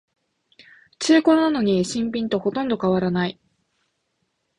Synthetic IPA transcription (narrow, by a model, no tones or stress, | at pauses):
t͡ɕɨːko̞ɾnano̞ɲ̟iɕĩmpʲĩnt̪o̞ho̞t̪õ̞nd̪o̞kaβaɾanai